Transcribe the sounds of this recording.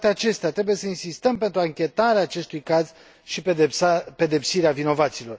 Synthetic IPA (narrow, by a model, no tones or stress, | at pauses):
t̪eat͡ʃe̞st̪eat̪ɾebuje̞səinsist̪əmpe̞nt̪ɾuaŋkʲe̞t̪aɾeaːt͡ʃe̞st̪ujkaz | ʃi | pe̞d̪e̞psiɾeavino̞vat̪silo̞r